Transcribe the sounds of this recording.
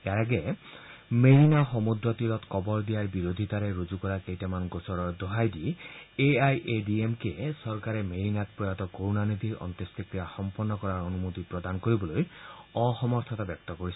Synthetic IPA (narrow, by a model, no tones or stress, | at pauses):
eaɾaɡe | meɾinaɦɔmud̪ɾɔt̪iɾɔt̪kɔbɔɾd̪iaɾbiɾod̪ʱit̪aɾeɾod͡ʒukɔɾakejʈamanɡosɔɾɔɾd̪ɔɦajdieajʔeɖiemkesɔɾkaɾemeɾinat̪̚pɔjat̪ɔkoɾunanid̪ʱiɾɔ̰nt̪est̪ikɾijaxɔmpɔnːɔkɔɾaɾɔnumot̪ipɾɔd̪anɔkoɾibɔlojɔxɔmɔɾt̪ʰɔt̪abjɔk̚t̪ɔkoɾisʰi